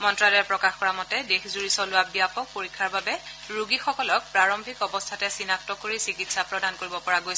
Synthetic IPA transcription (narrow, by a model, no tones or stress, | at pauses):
mɔntɹadaɛpɹɔkaxkɔɹamɔtɛdexzuɹisɔlʊabijapʰɔk̚poɹikʰːaɹbabɛ | ɹuɡixɔkɔlɔk̚pɹaɹɔmbʱikɔbɔstʰatɛsinak̚tɔkoɹisikitsapɹɔdankoɹibɔpɔɹaɡojsɛ